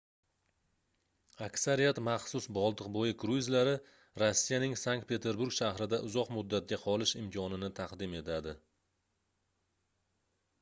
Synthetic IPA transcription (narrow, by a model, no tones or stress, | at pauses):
akʲsaɾijat̪mɑχsʊsbɒlˠd̪ɨqbojɪkʰɾuɪzlaɾɪ | ɾosːijanɪŋsaŋk̚t̪̚pʰe̞t̪ʰe̞ɾbuɾɡʃaɦɾɪd̪aʔʊzɒqmʊd̪ːat̪̚ɡʲaqʰɒlɪʃɪmkʲʰɒnɪnɪt̪ʰɑqd̪ɪme̞t̪ʰad̪ɪ